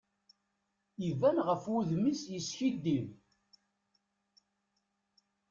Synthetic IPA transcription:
ivænʁəfuðmisjəsçid̪ːim

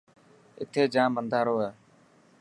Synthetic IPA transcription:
ɪ̰t̪ʰeːd͡ʒãːmənd̪ʱaːɾoːɦɛː

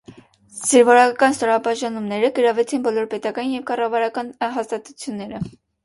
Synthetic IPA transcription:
z̥əɾvɔɾɑɑkɑnst̪ɔɾɑbɑʒɑnumnɛɾəɡəɾɑvɛt͡sʰinbɔlɔɾpɛt̪ɑkɑnjɛvkɑrɑvɑɾɑkɑnɦɑst̪ɑt̪ut͡sʰjunːɛɾə

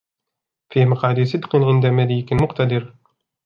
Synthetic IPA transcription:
fiːmaqɑːd̪iːsɨd̪qɨnʕɪnd̪amæliːkɪnmʊqt̪ad̪ɪɾ

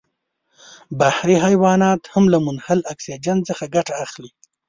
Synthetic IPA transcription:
bahɾiɦajwɑnɑt̪hamlamʊnhalaksid͡ʒanzəxaɡaʈaːxli

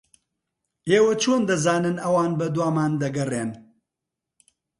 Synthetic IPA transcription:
eːwɐt͡ʃʰoːnd̪ɐzaːnɨnɐwaːnbɐd̪waːmaːnd̪ɐɡɐreːn

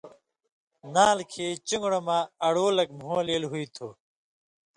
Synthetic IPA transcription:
naːlkʰeːt͡ɕuŋɡɽɐmaːɐɽoːlɐkm̤uɐleːlɦuit̪ʰuː

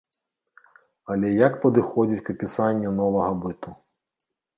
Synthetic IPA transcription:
ɐlʲɛjɐkpɐd̪ɨxɔd͡zʲit͡sʲkɐpʲisanʲːɐnɔvɐɣɐbɨt̪u

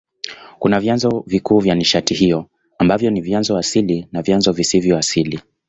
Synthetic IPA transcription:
kunavjanzɔvikuːvjaniʃatihijɔ | ambavjɔnivjanzɔasilinavjanzɔvisivjɔasili

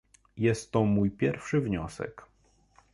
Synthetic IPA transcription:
jɛst̪ːɔmujpʲjɛɾfʂɘvɲɔsɛ̰k

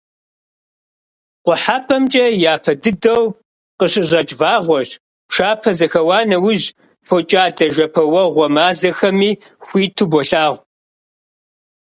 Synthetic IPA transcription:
qʷʊħaːpʰɐmt͡ʃʼɐjaːpʰɐdɨdɐw | qəɕʼɪʑɐt͡ʃʼvaːʁʷɔʒ | pʂaːpʰɐzɐxɐwɑːnɐwʊʑ | fot͡ʃʼaːdʰɐʒʷɐpʰɐwɐʁʷɔmaːzɐxɐmiː | xʷiːtʰubɔɬaːʁʷ

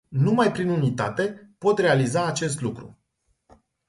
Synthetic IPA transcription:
numajpɾinunit̪a̰t̪e̞po̞t̪re̞alizaːt͡ʃe̞s̬t̪lukɾṵ

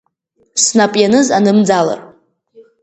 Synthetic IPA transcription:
snapʼjanɨzanɨmd͡zala̰r

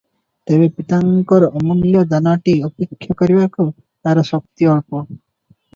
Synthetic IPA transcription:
t̪eβepit̪aŋkɔɾɔʔːmɔnljɔd̪anaʈiɔpekʰːjɔkɔɾibaku | t̪aɾɔsɔk̚t̪iɔɭpɔ

